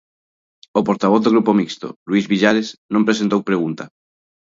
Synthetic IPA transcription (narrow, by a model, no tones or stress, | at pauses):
opoɾt̪aβ̞oθðoɣɾupomikst̪o̰lwizβiʎaɾeznõmpɾes̬ent̪owpɾeɣ̞unt̪a